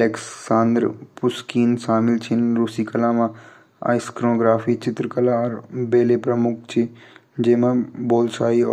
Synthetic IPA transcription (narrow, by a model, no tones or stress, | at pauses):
leːkssãːnd̪ɾpʊskiːnsaːmɪlt͡ʃʰɪnɾusikɐlaːmã | a̰ːɪskɾonːɡɾaːfʰit͡ʃɪt̪ɾəkəlaɔːɾbeːlepɾɐmʊk̚ʰt͡ʃʰi | d͡ʒeːmãboːlsaːiɔ